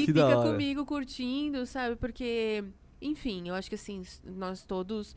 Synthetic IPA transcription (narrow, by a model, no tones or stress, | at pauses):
ɪkɪfd̪iakɐkõɾɐmiɡʊkuɾt͡ʃĩd̪ʊsabɪpoɾke | ẽj̃fĩewaʃʊ̥kɪasĩsnɔst̪od̪ʊs